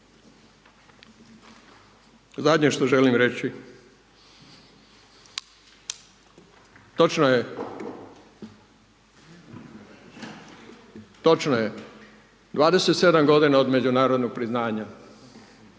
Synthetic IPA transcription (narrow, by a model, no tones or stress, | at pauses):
zad̪ɲeʃt̪o̞ʒelimɾe̞t͡ɕi | t̪o̞t͡ʃnoje | t̪ot͡ʃnoje | d̪ʋaːd̪e̞se̞t̪se̞d̪amɡo̞d̪inao̞d̪me̞d͡ʑunaːɾo̞d̪noɡ̚pɾiznaːɲa